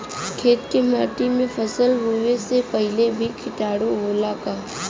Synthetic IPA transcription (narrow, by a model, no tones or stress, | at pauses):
kʰeːt̪kema̰ːʈimẽpʰəsəlɾuːʋesepəɦɪlebʱikʰɪʈaːɽoʋoːlaka